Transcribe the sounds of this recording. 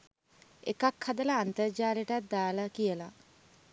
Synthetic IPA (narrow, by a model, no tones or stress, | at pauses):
ekakhad̪ələant̪əɾd͡ʒaːɾiəʈat̪̚d̪aːlakijəla